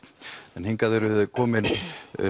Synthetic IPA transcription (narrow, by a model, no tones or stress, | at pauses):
ɛnhiŋkaðɛɾʏðkʰɔːmɪn